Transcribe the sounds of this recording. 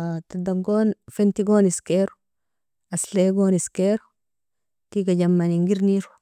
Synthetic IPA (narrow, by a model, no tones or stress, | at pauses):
tadaŋɡoːnfentiɡoːniskeɾu | asleɡoːniskeɾ | tiɡaɟamːaniŋɡiɾniɾu